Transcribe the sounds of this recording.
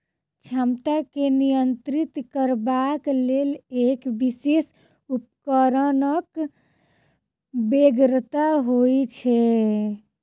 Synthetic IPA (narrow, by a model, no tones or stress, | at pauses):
t͡ʃʰamt̪akenijənt̪ɾit̪kəɾbaklelekbises | upkəɾənək | beɡɾt̪aɦojt͡ʃʰɛ